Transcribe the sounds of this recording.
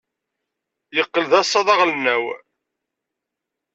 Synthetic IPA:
jəqːəlðæsˤːɑðˤɑʁlənːæw

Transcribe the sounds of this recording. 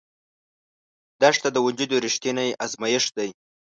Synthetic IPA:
d̪aʂt̪ad̪əwʊnd͡ʒud̪oɾɪʃt̪inajʔazmajɪʂd̪aj

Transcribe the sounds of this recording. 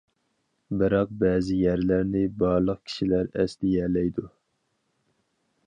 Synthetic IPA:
bɨɾɑq̚bɛːzɪjæɾlæɾnɪbɑːɾlˠəq̚kʲʰi̥ʃilæɾɛsd̪ɪjɛlɛjd̪u

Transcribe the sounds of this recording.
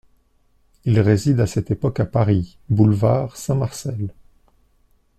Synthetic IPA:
ilʁezid̪asɛt̪epɔkapaʁi | bulvaʁsɛ̃maʁsɛl

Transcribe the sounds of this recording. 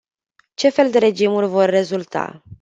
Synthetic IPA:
t͡ʃe̞fe̞ld̪e̞ɾe̞d͡ʒimurʲvo̞rːe̞zult̪a̰

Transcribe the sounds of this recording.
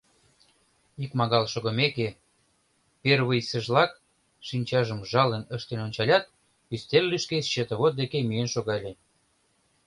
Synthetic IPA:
ikmɑɣɑlʃoɣə̆meke | perβəjsə̆ʒlɑk | ʃinʲt͡ɕɑʒəmʒɑlənəʃt̪enonʲt͡ɕɑlʲɑt̪̚ | yst̪erlyʃkeɕət̪ə̆βot̪̚d̪ekemyenʃoɣɑlʲe

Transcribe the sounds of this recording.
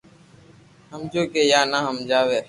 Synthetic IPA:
ɦəmd͡ʒoːkeːjaːnaːɦəmd͡ʒaːʋeː

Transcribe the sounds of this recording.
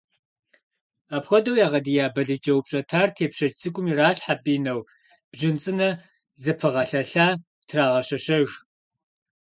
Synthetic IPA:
aːpxʷɔdɐwjaːʁɐdijaːbɐɮɨd͡ʒʼɐwpɕʼɐtʰaːrtʰeːpɕɐt͡ʃt͡sʰʼɨɡʷʼʊmiːraːɬħapʼiːnɐw | b̥ʒɪnt͡sʼɨnɐ | zɨpʰɨʁɐɬɐɬaː | tʰraːʁɐɕɐɕɐɣ

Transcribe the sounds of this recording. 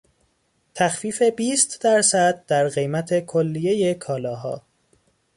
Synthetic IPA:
t̪ʰæxfiːfe̞biːst̪d̪æɾsæd̪̚d̪æɾɣe̞jmæt̪ʰe̞kʰolːije̞jekʰɒːlɒːɦɒ̰ː

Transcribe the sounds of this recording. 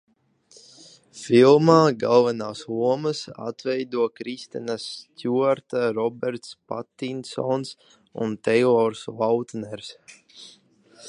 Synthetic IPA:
filˠmaːɡalˠvɛnaːsuɔmɨsa̰t̪vɛjd̪uɔkɾist̪ɛnasːt̪ʲuaɾt̪aɾɔbɛɾt̪spa̰t̪ːinsɔns | ṵnt̪ɛɔɾsvawt̪nɛɾs

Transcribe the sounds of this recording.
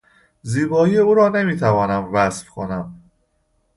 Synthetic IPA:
ziːbɒːiːjeuːɾɒːne̞miːt̪ʰævɒːnæmvæsfkʰo̞̰næm

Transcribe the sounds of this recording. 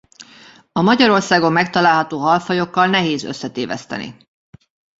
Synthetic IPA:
ɒmɒɟɒɾo̞rsaːɡo̞mːɛkt̪ɒlaːlɦɒt̪oːɦɒlfɒjo̞kːɒlnɛɦeːzø̞̰sːɛt̪eːvɛ̰st̪ɛ̰nḭ

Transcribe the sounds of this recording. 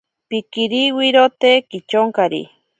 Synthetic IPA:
pikiɾiwiɾot̪ekit͡ʃoŋkaɾḭ

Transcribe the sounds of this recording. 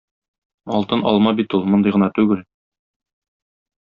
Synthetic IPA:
ɒlˠt̪ɤnɒ̰lˠmɑbit̪ulˠmŏnd̪ɤjʁɤ̆nɑt̪ʉɡɘl

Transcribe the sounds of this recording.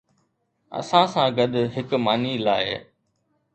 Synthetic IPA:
ɐ̰sãsãːɡɐd̪ɦɪkmaːnilaːɪ

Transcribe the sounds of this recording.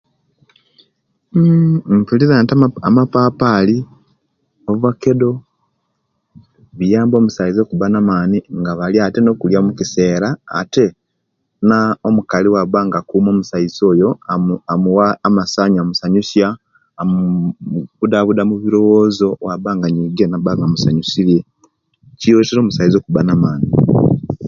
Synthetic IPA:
mfulizantaamapapali | oβake̞do̞ | βijaːmbo̞ːmusaizokuβanamaːniŋɡaβaljate̞no̞kuljamukiseːɾa̰ːte̞ | naomukaliwaβaŋɡakumo̞ːmusaizo̞ːjo̞amuwaamasaɲamusaɲusja | m | βudaβudamuβiɾo̞wo̞ːzo̞waβaːŋɡaɲiɡenaβaŋɡamusaɲusilje̞ | cijoteɾo̞ːmusaizo̞kuβanamaːni

